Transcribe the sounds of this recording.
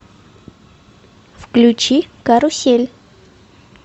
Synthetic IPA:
fklʲut͡ɕikaɾʊsʲelʲ

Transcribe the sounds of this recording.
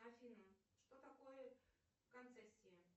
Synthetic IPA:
ɐfʲinə | ʂt̪ot̪ɐkojə | kɐnt̪sɛsʲːɪjə

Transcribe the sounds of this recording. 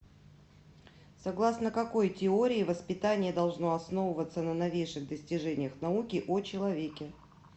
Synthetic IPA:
sɐɡlˠasnəkɐko̞jtʲɪoɾʲɪːvəspʲɪt̪anʲɪjəd̪ɐlˠʐno̞ɐsnovəvət̪sənənɐvʲejʂɨɣd̪əsʲtʲɪʐɛnʲɪjəxnɐukʲɪʔot͡ɕɪlˠɐvʲekʲɪ

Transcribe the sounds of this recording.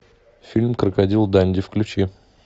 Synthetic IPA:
fʲilʲmkɾəkɐdʲilˠd̪anʲdʲɪfklʲʉt͡ɕi

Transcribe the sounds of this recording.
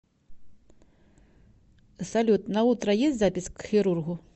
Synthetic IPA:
salʲut̪nɐut̪ɾɐjesʲt͡sʲzapʲiskxʲiɾurɣu

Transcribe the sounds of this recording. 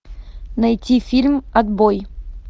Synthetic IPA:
nɐjtʲifʲilʲmɐd̪boj

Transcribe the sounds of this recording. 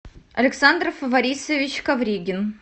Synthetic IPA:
ɐ̰lʲɪksand̪rfəvɐɾʲisəvʲɪt͡ɕkɐvɾʲiɡʲɪn

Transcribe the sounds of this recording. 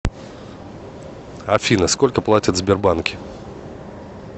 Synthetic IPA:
ɐfʲinəsko̞lʲkəplˠatʲɪt̪zbʲɪrbankʲɪ

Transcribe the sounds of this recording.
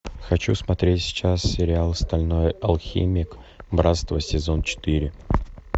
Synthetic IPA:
xɐt͡ɕusmɐt̪ɾʲetʲsʲt͡ɕassʲɪɾʲɪalˠst̪ɐlʲno̞jɐlˠxʲḭmʲɪk | bɾat̪st̪vəsʲɪzont͡ɕɪ̥t̪iɾʲɪ

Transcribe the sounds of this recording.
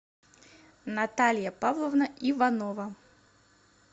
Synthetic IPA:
nat̪alʲjɐpavlˠovnɐʔivanɔvɐ

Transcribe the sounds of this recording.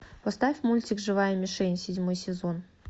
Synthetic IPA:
pɐst̪afʲmulʲtʲɪkʐɨvajəmʲɪʂɛnʲsʲɪdʲmojsʲɪzo̞n

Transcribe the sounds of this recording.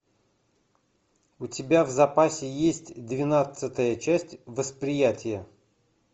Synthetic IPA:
ʊtʲɪbʲavzɐpasʲɪjesʲtʲd̪vʲɪnat̪sɨt̪əjət͡ɕæsʲtʲvəspɾʲɪjætʲɪjə

